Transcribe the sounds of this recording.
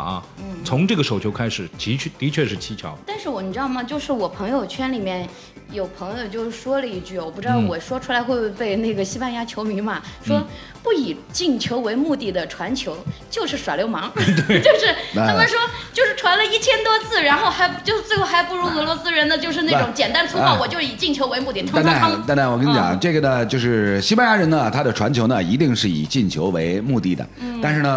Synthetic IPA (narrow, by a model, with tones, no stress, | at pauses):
n̩˥˩t͡sʰʊ˧˥ŋʈ͡ʂɤ˥˩ɡə˩ʂo˨˩ʊt͡ɕʰjo˧˥ʊkʰa˥ɪʂɻ̩˨˩˦t͡ɕi˧˥t͡ɕʰɛ˥˩t̪i˧˥t͡ɕʰɥɛ˥˧ʂɻ̩˥˩t͡ɕʰi˥t͡ɕʰjɑ̰˧˥ʊt̪a˥˧nʂɻ̩˥˩wɔ˧˥ni˨˩ʈ͡ʂɻɑ˥˧˩ʊmɐ˨˩t͡ɕjo˥˧ʊʂɻ̩˥˩wɔ˨˩pʰɤ˧˥ŋjo˨˧ʊt͡ɕʰɥɛ˥nli˨˩mjɛ˥˩n | jo˨˩ʊpʰɤ˧˥ŋjo˧ʊt͡ɕjo˥˧ʊʂ̩˥˩ʂwɔ˥lə˨i˥˧t͡ɕy˥˩wɔ˨˩pu˥˩ɻd̪ɑ˥˩ʊwɔ˨˩ʂwɔ˥ʈ͡ʂʰu˥la˧˥ɪxwe˥˧ɪ˥˧pe˥˧ɪne˥˩ɡə˩ɕi˥pa˥˧nja˥t͡ɕʰjo˧˥ʊmi˧˥nmɐ˧ʂwɔ˥ | pu˥˩i˨˩t͡ɕi˥˩ŋt͡ɕʰjo˧˥ʊwe˧˥ɪmu˥˧t̪i˥˩d̪ə˩ʈ͡ʂʰwa˧˥nt͡ɕʰjo˧˥ʊt͡ɕjo˥˧ʊʂɻ̩˥˩ʂwa˨˩ljo˥ʊmɑ˧˥ŋt̪we˥˩t͡ɕjo˥˧ʊʂɻ̩ʰ˥˩˧a˩˥mə˨nʂwɔ˥t͡ɕjo˥˧ʊʂɻ̩˥˩ʈ͡ʂʰwa˧˥nlə˧i˥˩t͡ɕʰjɛ˥nt̪wɔ˥t͡sʰɹ̩˥˩ɻa˧˥nxo˥˩ʊxa˧˥ɪt͡ɕjo˥˧ʊʂt͡swɪxo˥˩xa˧˥ɪpu˥˩ɻu˧˥ɤ˧˥lwɔ˧˥sɹ̩˥ɻə˧˥nd̪ə˧t͡ɕjo˥˧ʊʂɻ̩˥˧ne˥˧˩ʈ͡ʂʊ˧˥ŋt͡ɕjɛ˨˩nt̪a˥nt͡sʰu˥ɑ˥˩ʊwɔ˨˩t͡ɕjo˥˧ʊʂɻ̩˧˨i˨˩t͡ɕi˥˩ŋt͡ɕʰjo˧˥ʊwe˧˥ɪmu˥˧t̪i˥˩t̪ʰʊ˥˧˥a˥˩˥t̪na˥˩wɔ˨˩kə˥n˥˩t͡ɕjɑ̰˨˩˦ŋʈ͡ʂɤ˥˩ɡə˩nə˩t͡ɕjo˥˧ʊʂɻ̩˥˩˧ɕi˥ba˥˧nja˧˥ɻə˧˥nə˧t̪ʰa˥d̪ə˨ʈ͡ʂʰwa̰˧˥nt͡ɕʰjo˧˥ʊnə˧i˧˥t̪i˥˧ŋʂɻ̩˥˩ḭ˨˩t͡ɕi˥˩ŋt͡ɕʰjo˧˥ʊwe˧˥ɪmu˥˧t̪i˥˩d̪ə̰˩˥a˥˧nʂɻ̩˥˩nə˩